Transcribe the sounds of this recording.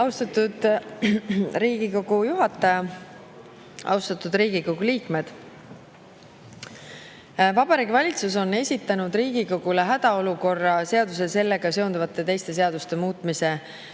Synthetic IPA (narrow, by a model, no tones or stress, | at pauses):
ɑwst̪ɑt̪ːud̪̥ | ɾiːɡiko̞ɡ̥ujuɦɑt̪ːˑɑjɑ | ɑ̰wst̪ɑt̪ˑud̪ɾiːɡiko̞ɡ̥uliːkme̞d̪̥ | vɑb̥ɑɾiːɡvɑlʲit̪suso̞ne̞sʲit̪ːˑɑnud̪̥riːɡiko̞ɡ̥uleɦæd̪̥ɑo̞luko̞rːɑse̞ɑd̪̥us̬ese̞lːe̞ɡ̥ɑse̞ond̪uvɑt̪ːˑe̞t̪e̞jst̪e̞s̬e̞ɑd̪̥ust̪e̞muːt̪ːˑmise̞